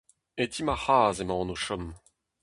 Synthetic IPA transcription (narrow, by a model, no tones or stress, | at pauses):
et̪ʰimahaːzemɑ̃ːnoʃɔm